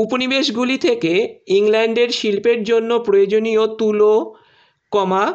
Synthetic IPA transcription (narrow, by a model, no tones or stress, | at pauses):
uponibeʃɡulit̪ʰekeiŋlɛɳɖeɾʃilpeɾd͡ʑonːopɾojod͡ʑonijot̪ulo | kɔma